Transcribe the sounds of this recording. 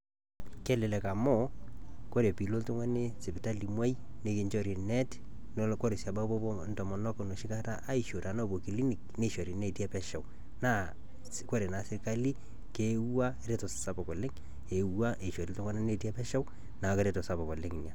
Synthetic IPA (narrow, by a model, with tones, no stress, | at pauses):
kɛ˦le˨lɛ˨ka˨mɔ˦ko˦ɾe˨pi˨lo˦ltʊ˦ŋwa˦ne˦sɪ˨pɪ˨ta˦li˨mwa˦j | ne˦kɪ˨ɲt͡ʃɔ˨ɾi˨nɛ˦t | nko˦ɾe˨sa˨ba˦bɔ˦ntɔ˨mɔ˨nɔ˦kno˨ʃɪ˦ka˦ta˦ʔa˦i˨ʃo˨ɾa˨no˦˨bo˨ki˨li˦ni˨kne˦ʃo˨ɾi˨ne˦ti˦ɛ˦pɛ˦ʃɛ˨w | na˦ | ko˦ɾe˨na˨sɪ˦ka˦li˦ | ke˦a˦ɾe˦to˨ssa˦pɔ˨kɔ˨lɪ˦ŋ | e˨wwa˦ʔe˨ʃo˨ɾi˦ltʊ˦ŋwa˦ne˦ne˦ti˦ɛ˦pɛ˦ʃa˦w | na˨ke˦ɾe˦tɔ˨sa˨bɔ˨kɔ˨lɪ˦ŋ˨na˨